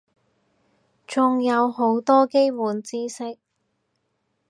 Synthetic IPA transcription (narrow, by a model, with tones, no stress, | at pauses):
t͡sʊ˨ŋjɐ˨˧wɦo˨˧˥wt̪ɔː˥ke˥jwuː˨˧nt͡siː˥sɪ˥k̚